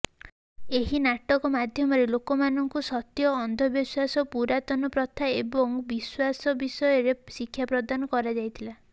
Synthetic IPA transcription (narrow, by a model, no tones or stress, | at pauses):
eɦinaʈɔkɔmad̪ʱjɔmɔɾelokɔmanɔŋkusɔt̪jɔːnd̪ʱɔbjɔswasɔpuɾat̪ɔnɔpɾɔt̪ʰaebɔŋbiswasɔbisɔjɔɾesikʰːjapɾɔd̪anɔkɔɾad͡ʒajt̪ʰila